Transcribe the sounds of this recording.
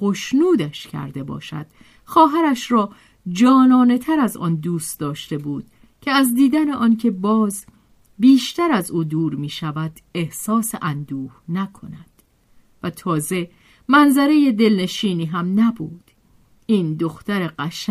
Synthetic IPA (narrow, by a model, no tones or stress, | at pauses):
xoʃnuːd̪æʃcʰæ̰ɾd̪e̞bɒ̰ːʃæ̰d̪̥ | xɒːɦæɾæʃɾɒː | d͡ʒɒːnɒːne̞t̪ʰæɾæzɒ̰ːnd̪uːst̪d̪ɒːʃt̪e̞buːd̪̥ | cʰeæzd̪iːd̪æneʔɒːncʰe̞bɒːz | biːʃt̪æɾæzuːd̪uːɾmiːʃævæd̪̥e̞hsɒːseʔænd̪uːhnækʰo̞̰næd̪̥ | væt̪ʰɒːze̞ | mænzæɾe̞je̞d̪e̞lne̞ʃiːniːɦæmnæbuːd̪̥ | iːnd̪o̞xt̪æɾe̞ɢæʃ